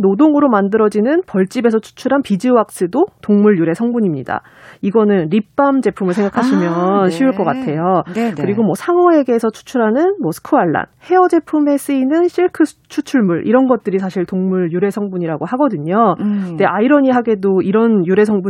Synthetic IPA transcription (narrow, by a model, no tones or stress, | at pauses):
nodoŋɯɾomandɯɾʌd͡ʑinɯnpʌɭt͡ɕ͈ibe̞sʰʌt͡ɕʰu̥t͡ɕʰuɾɦanpid͡ʑɯwak̚s͈ɯdotoŋmuɭjuɾe̞sʰʌŋbuɲimɲḭda̰ | iɡʌnɯnɾip͈amd͡ʑe̞pʰumɯɭsʰeŋɡakʰaɕʰimjʌnɕʰiuɭk͈ʌk͈atʰe̞jokɯɾiɡomwʌsʰaŋʌe̞ɡe̞ːsʰʌt͡ɕʰu̥t͡ɕʰuɾɦanɯnmwʌsʰɯ̥kʰɯaɭːa̰nhe̞ʌd͡ʑe̞pʰume̞s͈ɯinɯnɕʰiɭkʰɯ | t͡ɕʰut͡ɕʰuɭmuɭʔḭɾʌnɡʌt̚t͈ɯɾisʰaɕʰiɭtoŋmuɭjuɾe̞sʰʌŋbuɲiɾaɡohaɡʌdɯɲode̞ʔaiɾʌɲiɦaɡe̞doiɾʌnjuɾe̞sʰʌŋbu